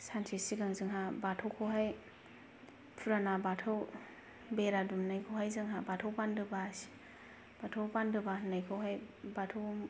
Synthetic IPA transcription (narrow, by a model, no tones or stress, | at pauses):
santʰisiɡaŋzɯŋɦabatʰɔwkʰɔɦaj | pʰuɾanabatʰaw | beɾadumnajkʰowɦajzɯŋɦabatʰawpandɯbas | b̥atʰawpandɯbanajkʰɔwɦajbatʰow